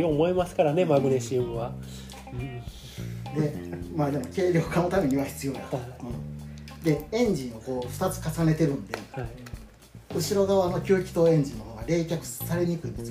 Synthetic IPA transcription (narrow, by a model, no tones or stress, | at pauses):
omo̞emasɨ̥kaɾane̞maɡɯneɕĩβa | d̪e̞maːd̪e̞mo̞ke̞ːɾʲjo̞kano̞t̪ame̞ɲ̟iβaçi̥t͡sɨjo̞ːnã | d̪e̞ẽ̞ɲ̟d͡ʑĩɰ̃oko̞ːɸɯ̟t̪at͡sɨ̥kasane̞t̪e̞ɾɯ̟̃nd̪e̞ | ɯ̟ɕiɾo̞ɡaβano̞kʲoːkʲi̥t̪o̞ẽ̞ɲ̟d͡ʑĩnːo̞hoːɡaɾe̞ːkʲakɯ̟̥saɾe̞ɲ̟ikɯ̟ĩnd̪e̞sɨ